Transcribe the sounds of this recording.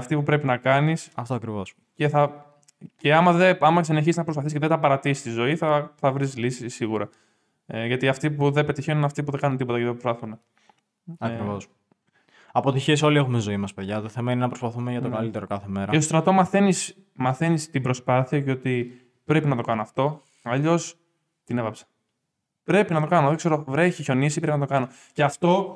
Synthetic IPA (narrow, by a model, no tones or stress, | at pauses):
ɐft̪ipupɾe̞pinɐkɐnisɐft̪oɐkɾivo̞s | ce̞θɐ | ce̞ɐmɐðeɐmɐseneçisiznɐpɾospɐθisceðet̪ɐpɐɾɐt̪iist̪izo̞iθɐθɐvɾislisisiɣuɾɐ | ʝɐt̪iɐft̪ipuðe̞pe̞t̪içenunɐft̪ipuðe̞ɡɐnunt̪ipo̞t̪ɐceðepɾost̪ɐθune | ɐkɾivo̞s | ɐpot̪içeso̞liexumezo̞imɐspeðʝɐt̪oθe̞mɐinenɐpɾo̞spɐθumeʝɐt̪oɡɐlit̪e̞ɾo̞kɐθeme̞ɾɐost̪ɾɐt̪o̞mɐθenis | mɐθe̞nist̪ibɾo̞spɐθiɐceot̪i | pɾe̞pinɐt̪o̞kɐnoɐft̪o̞ | ɐʎo̞s | t̪inevɐpse̥ | pɾe̞pinɐt̪o̞kɐnoðekse̞ɾo̞vɾe̞çiço̞nisipɾepinɐt̪o̞kɐno̞ | ceɐft̪o̞